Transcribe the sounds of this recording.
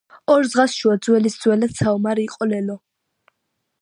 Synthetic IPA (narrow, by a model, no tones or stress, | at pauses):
ɔɾd̪zʁasʃuad̪zwɛlisd̪zwɛlad̪sʰaɔmaɾiːqʼɔlɛlɔ